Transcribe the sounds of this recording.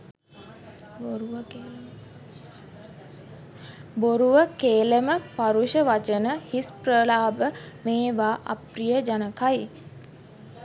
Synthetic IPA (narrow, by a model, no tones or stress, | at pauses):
oɾuʋəke | boɾuʋəkeːləməpaɾuʃəʋat͡ʃənəhisprəlaːbə | meːʋaːʔa̰prijəd͡ʒanəkaj